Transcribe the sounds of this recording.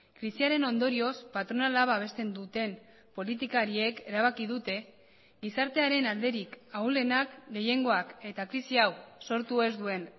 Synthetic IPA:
kɾisiaɾe̞no̞nd̪o̞ɾio̞spat̪ɾo̞nalaβaβ̞e̞st̪e̞nd̪ut̪e̞m | po̞lit̪ikaɾie̞ke̞ɾaβ̞akiðut̪e̞ | ɡisaɾt̪e̞aɾe̞nald̪e̞ɾikawle̞nakɡe̞je̞ŋɡo̞ake̞t̪akɾisiawso̞ɾt̪ue̞zd̪ue̞n

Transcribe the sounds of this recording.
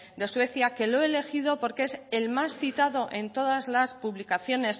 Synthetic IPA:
d̪e̞swe̞θjake̞loele̞xiðo̞po̞ɾkeeselmasθit̪aðo̞ʔe̞nt̪o̞ð̞azlaspuβlikaθjo̞ne̞s

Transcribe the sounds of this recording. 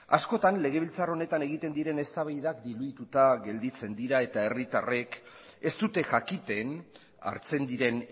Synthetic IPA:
a̰sko̞t̪anle̞ɣ̞e̞βilt͡saro̞ne̞t̪ane̞ɣ̞it̪e̞nd̪iɾe̞ne̞st̪aβajðakd̪iluit̪ut̪aɣe̞ld̪it͡se̞nd̪iɾae̞t̪ae̞rit̪a̰re̞k | e̞st̪ut̪e̞ʝakit̪e̞n | a̰ɾt͡se̞nd̪iɾe̞n

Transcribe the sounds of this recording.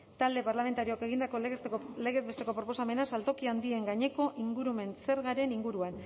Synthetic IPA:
t̪ald̪e̞paɾlame̞nt̪aɾioke̞ɣ̞ind̪ako̞le̞ɣe̞t̪̚best̪e̞ko̞pɾo̞po̞same̞nasalt̪o̞kiand̪ie̞ŋɡaɲe̞ko̞ʔiŋɡuɾume̞nse̞ɾɣaɾe̞niŋɡuɾuan

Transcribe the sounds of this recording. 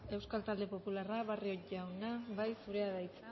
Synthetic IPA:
e̞wskalt̪ald̪e̞po̞pularaβarioʝawnaβajsuɾe̞aðajt͡s

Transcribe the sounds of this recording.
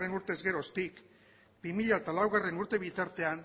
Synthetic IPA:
enuɾt̪e̞zɣe̞ɾost̪ik | bimiʎaet̪alawɣ̞are̞nuɾt̪e̞β̞it̪aɾt̪e̞an

